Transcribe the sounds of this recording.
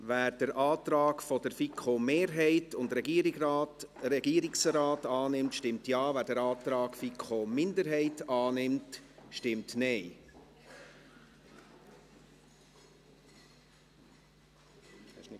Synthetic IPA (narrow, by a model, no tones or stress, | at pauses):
ʋæːɾd̥əɾʔɑːt̪ɾɑːkfɔdəɾfikʰχomeːɾɦɛɪtʊndɾɛɡiəɾiɡtɾɛɡiːəɾiksɾɑːtɑːnɪmtʃtɪmtjɑːvæːɾdəɾɑːt̪ɾɑːɡ̥fikχomɪndəɾɦɛɪtɑːnɪmtʃtɪmtnɛɪ